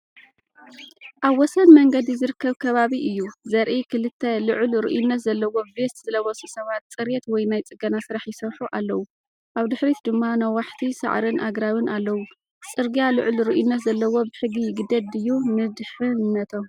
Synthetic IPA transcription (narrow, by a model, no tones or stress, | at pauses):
ʔaβwɔsɐnmɐŋɡɐd̪izɨɾɨkʰːɐβkʰɐβaβiʔɨjːuzɐɾʔikʰɨlɨt̪ʰːɐlɨʕʊlɾɨ̰ʔjunːɐt̪zɐlːɐwo̞be̞t̪z̥ɨlɐwɐsisɐβat̪̚t͡sʼɨɾjet̪wɔjnajt͡sʼɨɡɐnasɨɾaħjɪsɐwħuʔalːɐwu | ʔaβd̪ɨħɾit̪d̪ɨmːanɐwaħt̪ʰisa̰ʕɾɨnʔaɡɾawɨnʔalːɐwu | t͡sʼɨɾɡialɨʕʊlɾɨʔjunːɐt̪zɐlːɐwo̞bɨħɨɡijɪɡɨd̪ɐd̪ɨjːumɨd̪ħɨnːɐt̪ʰo